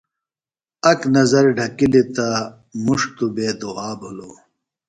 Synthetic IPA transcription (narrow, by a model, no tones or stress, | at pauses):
ɐknɐzɐɾɖʱɐkilit̪a | muʂt̪ubeːd̪uaːbʱuloː